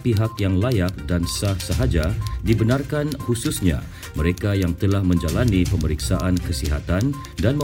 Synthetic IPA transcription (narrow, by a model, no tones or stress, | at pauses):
piɦakjaŋlajak̚dansahsəɦad͡ʒadibənarkanhususɲa̰ | məɾekajaŋt̪əlahmə̃ɲd͡ʒalanipəməɾiksaʔankəsiɦat̪an | danmə